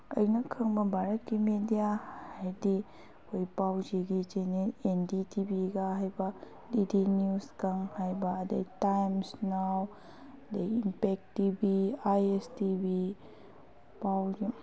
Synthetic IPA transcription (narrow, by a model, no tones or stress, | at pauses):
ə̰jnɐkʰɯŋbɐbʱaɾɐt̚kimedijahajdi | kʰojpawd͡ʒiɡid͡ʒenienditibiɡaɦajbɐ | didinjuskaŋhajbaːdɐtajmsnaw | dejimpek̚tibiajestibi | pawd͡ʒi